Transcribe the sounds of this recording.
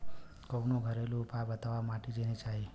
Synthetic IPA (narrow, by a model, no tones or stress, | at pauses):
kəwnoɡʱəɾeluːpabət̪aʋamaʈid͡ʒenet͡ʃaɦi